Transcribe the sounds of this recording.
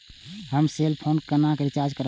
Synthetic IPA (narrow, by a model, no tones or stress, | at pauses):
ɦəmselpʰonkənakɾit͡ʃaɾd͡ʒkəɾ